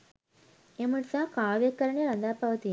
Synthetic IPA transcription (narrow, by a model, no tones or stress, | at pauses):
emuɭsakaːʋjɐkːɐɾɐɳeɾɐnd̪aːpɐʋɐt̪i